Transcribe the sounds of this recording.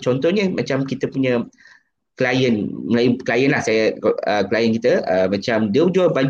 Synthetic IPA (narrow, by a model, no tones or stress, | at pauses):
t͡ʃɔnt̪ɔɲə̃mat͡ʃamkit̪əpuɲə̃ | kəlajənməlajukəlajənlahsajaəkəlajənkit̪əəmat͡ʃamdiəud͡ʒuabad͡ʒ